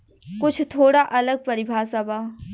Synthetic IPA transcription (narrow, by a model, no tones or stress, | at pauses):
kʊt͡ʃʰt̪ʰoːɽaʔɐləɡ̚pɐɾɪbʱaːsəbaː